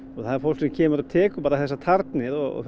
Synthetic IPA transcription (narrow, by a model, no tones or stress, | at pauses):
ɔɣθaðɾfoɾsincʰɛːmʏɾɔt̪ʰɛːkʏpaːɾaθɛsːat̪ʰaɾt̪nɪɾɔɣɔ̰f